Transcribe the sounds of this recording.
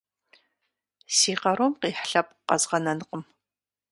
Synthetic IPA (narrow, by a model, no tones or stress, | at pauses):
siːqɐɾomqiːħɬɐp̚ʼqɐ̰zʁɐnɐnɨqəm